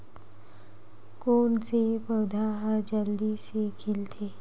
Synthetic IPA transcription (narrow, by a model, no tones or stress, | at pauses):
koːnt͡sepəwd̪ʱaɦad͡ʒəld̪isekʰilt̪ʰe